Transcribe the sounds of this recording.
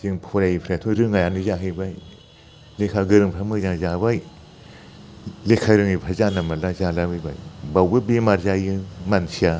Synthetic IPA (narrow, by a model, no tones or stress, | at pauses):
ziŋpʰɔɾajipʰɾatʰuɾɯŋajanizaɦɯbaj | lekʰaɡɯɾɯŋpʰamɯzaŋzabaj | lekʰaɾɯŋipʰazanamalazalabɯjba̰jbawbɯbemaɾzajɯmansʰija